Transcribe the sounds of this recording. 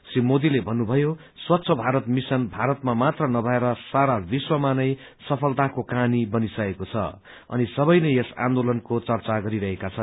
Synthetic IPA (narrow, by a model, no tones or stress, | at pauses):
srimod̪ilebʱʌnːubʱʌjo | swatːsʰʌbʱaɾʌt̪misʌnbʱaɾʌt̪mamat̪rʌnʌbʱʌeɾʌsaɾabiswʌmanʌj | sʌpʰʌlt̪akokanibʌnisʌkekot͡sʰʌ̰ | ʌ̰nisʌbʌjnʌjesã̰nd̪olʌnkot͡sʌrt͡saɡʌɾiɾʌɦekat͡sʰʌn